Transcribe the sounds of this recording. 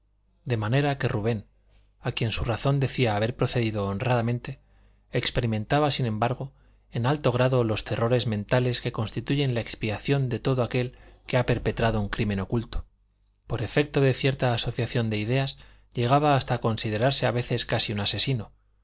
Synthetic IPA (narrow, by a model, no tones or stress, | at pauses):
d̪e̞mane̞ɾake̞ruβ̞e̞n | akje̞nsuraθo̞nd̪e̞θiaːβ̞e̞ɾpɾo̞θe̞ðiðo̞ːnraðamẽ̞nt̪e̞ | ekspe̞ɾimẽ̞nt̪aβasinẽ̞mbaɾɣ̞o̞ | e̞nalt̪oɣ̞ɾaðo̞lo̞st̪e̞ro̞ɾe̞zmẽ̞nt̪ale̞ske̞ko̞nst̪it̪uʝe̞nlaekspiaθjo̞nd̪e̞t̪o̞ðoake̞lkeape̞ɾpe̞t̪ɾaðo̞uŋkɾime̞no̞kult̪o̞̥ | po̞ɾefe̞k̚t̪oðe̞θje̞ɾt̪aːso̞θjaθjo̞nd̪e̞iðe̞az | ʝe̞ɣ̞aβ̞aːst̪ako̞nsið̞e̞ɾaɾse̞aβe̞θe̞skasiunase̞sino